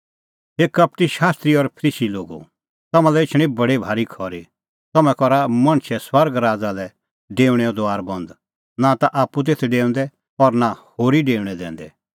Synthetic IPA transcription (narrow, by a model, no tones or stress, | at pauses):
ɦeːkɐp̚ʈiʃaːst̪ɾiɔɾpʰɾiːsiloːɡṵ | t̪ɐmãlɛɪt͡ʃʰɽ̃ĩbɐɽibʱaːɾikʰɔːɾi | t̪ɐmɛ̃kɔɾamɐñʃʰɛswɐɾɡɾaːd͡zalɛ | ɖeːʊɽ̃ɛɔd̪oaːɾbɐ̃nd̪ | nat̪aʔaːpːut̪̬eːt̪ʰɛɖeːə̃nd̪ɛ | ɔɾnahoːɾiɖeːʋɽ̃ɛd̪ɛ̰̃ːnd̪ɛ̰